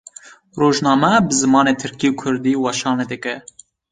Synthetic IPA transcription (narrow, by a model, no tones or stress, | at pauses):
roːʒnɑːmɛbɨzɨmɑːneːt̪ʰɨɾkiːukʰʊɾd̪iːwɑʃɑːned̪ɨkɛ